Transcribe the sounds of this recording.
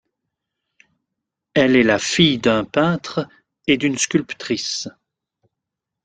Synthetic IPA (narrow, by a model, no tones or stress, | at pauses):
ɛlɛlafijd̪ə̃pɛ̃t̪χ | ed̪ynskʲylpt̪χis